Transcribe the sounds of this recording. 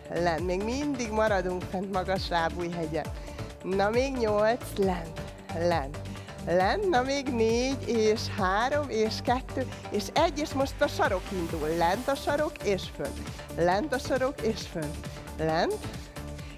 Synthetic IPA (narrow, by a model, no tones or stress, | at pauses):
lɛnt̪meːɡmind̪iɡmɒɾɒd̪uŋksɛnt̪mɒɡɒʃlaːbuːjɦɛɟɛn | nɒmeːɡɲo̞lt̪slɛnt̪ | lɛnt̪ | lɛnt̪nɒmeːɡneːɟeːʃhaːɾo̞meːʃkɛt̪ːøː | eːʃɛɟːeːʃmo̞ʃt̪ɒʃɒɾo̞kind̪ulːɛnt̪ɒʃɒɾo̞keːʃfø̰nt̪ | lɛnt̪ɒʃɒɾo̞keːʃfønt̪ | lɛnt̪